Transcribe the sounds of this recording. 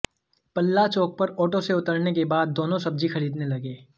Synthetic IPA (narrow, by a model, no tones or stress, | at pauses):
pɐlːat͡ʃoːk̚pɐɾɔːʈoseʊt̪əɾnekebaːd̪ːoːnõsɐb̚d͡ʒixɐɾiːd̪nelɐɡeː